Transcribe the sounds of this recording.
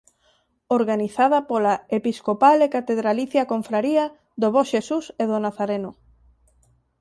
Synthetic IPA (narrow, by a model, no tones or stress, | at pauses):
oɾɣaniθaðɐpolaepiskopalekat̪eðɾaliθjakoɱfɾaɾia | d̪oβɔʃesuseðonaθaɾenʊ